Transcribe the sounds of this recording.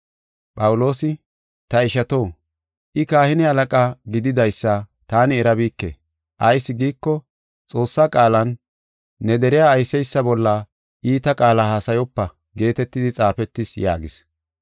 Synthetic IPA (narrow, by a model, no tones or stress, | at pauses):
pʼɐwʊlo̞ːsɪ | t̪ɐɪʃɐt̪o̞ː | ʔɪkaːhɪnɪɐlɐkʼaːɡɪd̪ɪd̪ɐjsːɐt̪aːnɪɛɾɐbiːkːḛ | ʔɐjsːɪɡiːkːɔ | t͡sʼo̞ːsːaːkʼaːlɐnː | ɛd̪ɛɾɪjaːjsɛjsːɐbɔlːa | ʔiːt̪ɐkʼaːlahaːsɐjɔpːɐ | ɡe̞ːt̪ɛt̪ːɪd̪ɪt͡sʼaːfɛt̪ːɪsja̰ːɡɪs